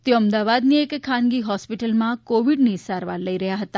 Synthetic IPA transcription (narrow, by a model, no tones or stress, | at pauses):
t̪joəmd̪aʋad̪niekkʰːãnɡiɦɔspiʈəlmãkoʋiɖnisaɾʋaɾləiɾəɦjaɦət̪a